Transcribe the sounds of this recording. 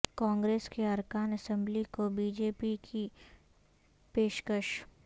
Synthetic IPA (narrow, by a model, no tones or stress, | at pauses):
kãːŋɡɾeːskeɐɾkaːnɐsɛ̃mblikobiːd͡ʒeːpikʰi | peːʃkəʃ